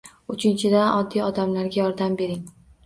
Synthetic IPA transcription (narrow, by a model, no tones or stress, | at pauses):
ʊt͡ʃʰɪnt͡ʃʰɪd̪anʔɒd̪ːijɒd̪amlaɾɡʲajɒɾd̪ambe̞ɾɪŋ